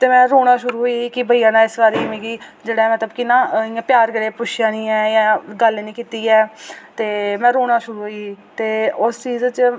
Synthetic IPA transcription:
t̪eːmɛ̃ːɾoːɽ̃ãːʃʊɾuːɦoːikɪbəiːãːnãːɪsbaːɾiːmẽːɡiːd͡ʒeːɽaɛːmət̪ləbkɪnːãːɪãːpjaːɾkəɾeːpʊʃjãːnĩːɛːjãːɡəlnĩːkiːt̪iːɛːt̪eːmɛ̃ːɾoːɽ̃aːʃʊɾuːɦoiːt̪eːʊst͡ʃiːzt͡ʃ

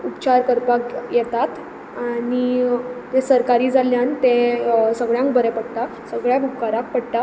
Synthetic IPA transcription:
upt͡ɕaɾkəɾpakjɛt̪at̪ | anit̪esəɾkaɾiːd͡zaljant̪ẽsəɡɭjãŋk̚bəɾɛpəɽt̪a | səɡɭjabʱukaɾãk̚pəɽʈ̪a

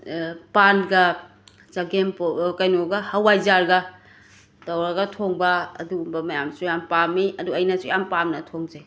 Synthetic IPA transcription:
panɡɐ | t͡ʃɐɡempkɐjnoɡɐhɐwajzaɾɡɐ | tɐwɾɐɡɐtʰoŋbɐ̰ːduːmbɐmɐjamsujampamiʔɐduɐjnɐsujampamnɐtʰoŋze

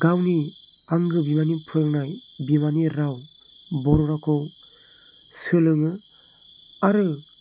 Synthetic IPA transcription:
ɡ̥awniaŋɡɯbimanipʰɯlnajbimaniɾaw | bɔɾɔɾakʰɔw | sɯlɯŋɯ | aɾɯ

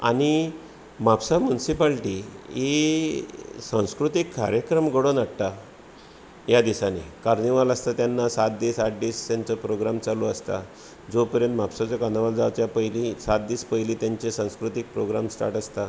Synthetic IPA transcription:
a̰ɽ̃i | mapsamjunisipalʈie | sãw̃skɾut̪ikːaɾjəkɾəmɡəɽonaɽʈa | jad̪isanḛkaɾniʋaləst̪at̪janːasat̪̚d̪iːsat̪̚d̪iːst̪jaɲt͡səpɾoɡɾamt͡saloəst̪a | d͡zopəɾjənt̪mapsat͡ɕjakanaʋald͡zat͡ɕjapəɦlisat̪̚d̪iːspəɦiliːt̪jaɲt͡ɕesãw̃skɾut̪ik̚pɾoɡɾamsʈa̰ɾʈəst̪a

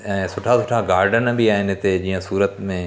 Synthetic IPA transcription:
ɛ̃ːsʊʈʰasʊʈʰaɡaːɾɖənbiaːɦɪnet̪ed͡ʑiːə̃suːɾət̪mẽ

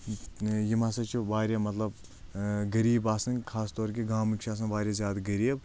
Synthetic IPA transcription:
jimasɐt͡ʃʰiʋaːɾjamɐt̪lɐb | ɡɐɾiːbaːsɐnkʰaːst̪oːɾkiɡaːmɨkt͡ʃʰaːs̬ɐnʋaːɾjazʲjaːd̪ɡɐɾiːb

